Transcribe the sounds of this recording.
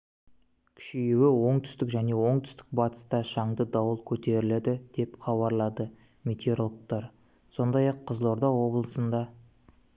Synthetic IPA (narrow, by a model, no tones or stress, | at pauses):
kʲʰɪ̥ʃijewɪwo̞ɴt̪ʰʏ̥st̪ɪkʒæne̞wo̞ɴt̪ʰʏ̥st̪ɪ̥k̚bɑt̪ə̥st̪ɑʃɑɴd̪əd̪ɑwəlˠkʲʰɵt̪e̞ɾɪled̪ɪd̪̥e̞pχɑβɑɾlˠɑd̪ə | mʲet̪ʲeɾolˠəq̚t̪ɑɾ | so̞nd̪ɑjɑqʰːəzlˠo̞ɾd̪ɑwo̞blˠəsənd̪ɑ